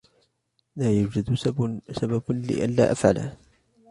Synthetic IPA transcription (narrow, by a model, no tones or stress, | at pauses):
maːjuːd͡ʒad̪asabablɪ̰ʔa̰nla̰ːʔafʕa̰la̰